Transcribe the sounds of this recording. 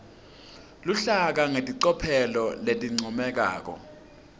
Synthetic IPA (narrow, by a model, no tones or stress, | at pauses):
luɬak̬aŋetʼiǀɔpʰɛlɔletʼiŋ͡ǀʱumɛk̬a̰ːk̬ɔ̰